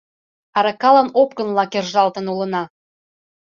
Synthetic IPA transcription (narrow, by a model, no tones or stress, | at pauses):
ɑɾɑkɑlɑnopkə̆nlɑkerʒɑlt̪ə̆nulə̆nɑ